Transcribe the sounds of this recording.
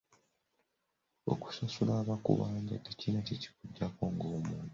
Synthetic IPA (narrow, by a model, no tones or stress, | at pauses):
o̰ku̥sasulaːβakṵβaːɲɟatːecinaceci̥kuɟːakoːŋɡoːmuːntu